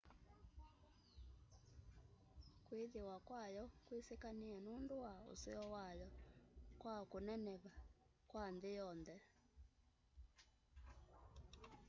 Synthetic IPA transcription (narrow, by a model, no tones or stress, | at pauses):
kweðewakwajɔkwesekaneanondowao̰seɔwajɔkwakonɛnɛβa | kwandejɔnðɛ